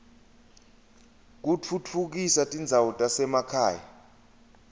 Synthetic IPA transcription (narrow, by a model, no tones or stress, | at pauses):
k̬ut͡fʰut͡fʰuk̬isatʼind͡zʱawutʼasɛmakʰa̰ːja̰